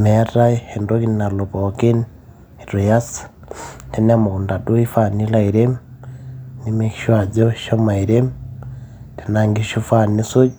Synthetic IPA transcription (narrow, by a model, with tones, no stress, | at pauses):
mɛ˨˦ra˦he˨ndo˦ki˦nna˨lo˨pɔ˨ki˦n | i˨ɾu˨ja˦s | te˦n˦a˦mo˨u˨nda˨du˦i˦fa˦ni˦la˦i˨ɾe˦m | ni˦me˦kiʃwa˨d͡ʒɔ˦ʃɔ˦ma˨i˨ɾe˦m | tʰe˨na˨ŋɡi˦ʃu˦fa˦˨ni˦so˦